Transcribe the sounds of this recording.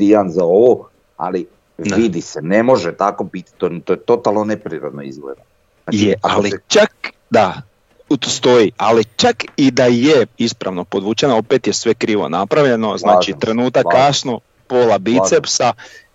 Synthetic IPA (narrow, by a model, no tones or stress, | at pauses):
ianzaoʋo | a̰li | ʋid̪isenemo̞ʒet̪akobit̪i̥t̪ont̪ojet̪ot̪alˠnonepɾiɾod̪noḭzɡlḛd̪a | ajealit͡ʃak | d̪a | tst̪ojialit͡ʃakid̪ajeispɾa̰ʋno̞pod̪ʋut͡ʃenao̞pet̪jesʋe̞kɾiːʋo̞̰napɾaʋʎeno̞znaːt͡ʃit̪ɾe̞nuːt̪akːasno | polabit̪sepsa